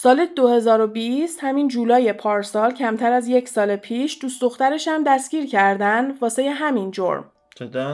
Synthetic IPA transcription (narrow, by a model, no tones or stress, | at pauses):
sɒːled̪ohe̞zɒːɾo̞bist̪hæmind͡ʒuːlɒːje̞pʰɒːɾsɒːlcʰæmt̪ʰæɾæzje̞csɒːlepʰiːʃd̪uːsd̪o̞xt̪æɾe̞ʃæmd̪æsciːɾcʰæɾd̪ænd̪vɒːsejeɦæmind͡ʒo̞̰ɾm